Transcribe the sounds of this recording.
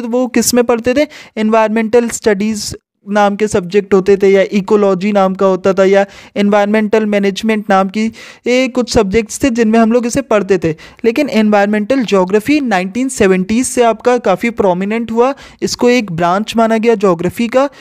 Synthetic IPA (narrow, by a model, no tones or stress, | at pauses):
t̪ʋokɪsmẽpɐɽt̪et̪ʰeɛnʋaːɪɾmɛ̃ːɳʈəlsʈɐɖiːz | naːmkesɐb̚d͡ʒek̚ʈɦoːt̪et̪ʰejaʔiːkolɔːd͡ʒinaːmkaɦoːt̪at̪ʰajaɛnʋaːɪəɾmɛ̃ːɳʈəlmɛːneːd͡ʒmẽɳʈnaːmkijekʊt͡ʃʰsɐb̚d͡ʒek̚ʈst̪ʰẽd͡ʒɪnmẽɦɐmloːɡɪsepɐɽt̪et̪ʰeːleːkɪnɛnʋaːɪəɾmɛ̃ːɳʈəld͡ʒɔːɡɾəfinãːɪ̃ɳʈiːnsɛːʋə̃ɳʈiːzseaːp̚kakaːfipɾɔːmɪnə̃ɳʈɦua | ɪskoeːkbɾãːɲt͡ʃmaːnaɡɐjad͡ʒɔːɡɾəfika